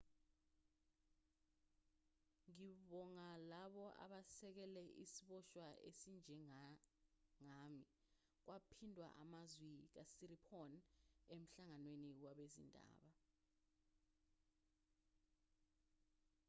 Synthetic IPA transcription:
ŋiɓɔŋalaɓɔʔa̰ɓasɛk̬ɛlɛʔḭsiɓɔʃwaʔḛsind͡ʒʱɛ | ŋami | k̬wapʰindʱwa̰ʔamazwik̬asiripʰɔnem̩ɬaŋanweniwaɓezḭndʱa̰ːɓa

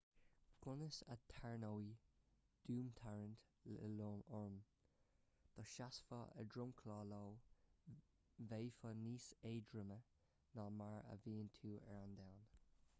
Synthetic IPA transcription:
ɡ̥ʊnəsət̪ʰaɹnowi | d̪̥uːmt̪ʰaɹənt̪loːmɔɹm | d̪̥ɔʃasfɔ̰ə̰dɹʊmkʰlɔːloː | vejfəniːseːdɹəmə | nɔmaɹə̰viːnt̪ʰuːɛɹand̪awn

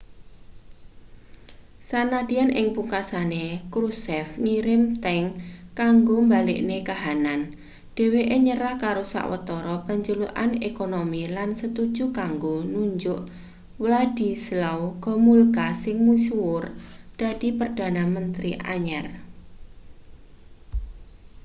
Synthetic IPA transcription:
sanad̥̪ianʔɪ̰ŋpuŋkasanekɾusɛfŋiɾɪmt̪ɛŋkaŋɡombalɪ̰ʔnekaɦanan | ɖ̥e̤weʔeɲəɾahkaɾosa̰ʔwə̰t̪ɔɾɔpaɲd͡ʒuluʔanekonomilansət̪ud̥d͡ʒukaŋɡonuɲd͡ʒʊʔ | wlad̥i̤slawɡ̥ɔ̤mulkasɪŋmusuwʊrd̥a̤d̪̥i̤pərd̪̥a̤namənt̪ɾiʔa̰ɲɛr

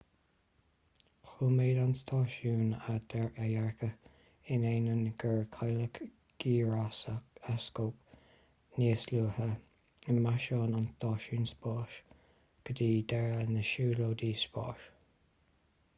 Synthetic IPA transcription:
xuːmeːdanst̪ʰɑːʃuːnad̪̥ɛɹajɛɹkʰə | ɪneːnənɡəɹkʰajlək | ɡ̥iːɹasəkaskoːp | niːsluːhə | əmaʃɑːnanst̪ɑːʃuːnspɑːʃ | ɡ̥əd̪iːd̪ɛɹənəʃuːloːd̪iːspɑ̰ːʃ

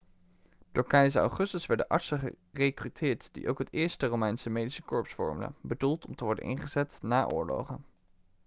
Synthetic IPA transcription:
d̥ʊːɹkɛjzəɑ̰wχɵstəsʋɛɹdə̰ʔɑ̰ɹtsəχə | rejkrytʰɪːɹtd̥ḭʔowkɦətɪːɹstərowmɛjnsəmejdisəkɔɹpsfɔ̰ɹmylə̰nbədulˠtʰɔmtəʋɔɹdə̰nʔɪ̰nχəzɛtnaːʔʊ̰ːɹlo̰wχən

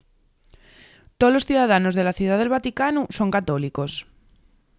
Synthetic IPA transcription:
t̪olo̞sθjuðaðano̞zðe̞laθjuð̞aðelβat̪ikanuso̞ŋkat̪oliko̞s

